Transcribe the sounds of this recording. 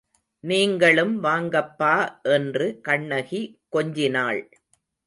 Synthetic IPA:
niːŋɡɐɭɯmʋaːŋɡɐpːaːʔɛndrɯkɐɳːɐɣikːɔɲd͡ʒɪnaːɭ

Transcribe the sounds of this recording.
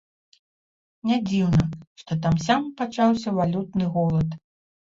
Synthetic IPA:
nʲad͡zʲiwnɐʂt̪ɔt̪amsʲampat͡ʂawsʲɐvalʲut̪̚nɨɣɔlˠɐt̪

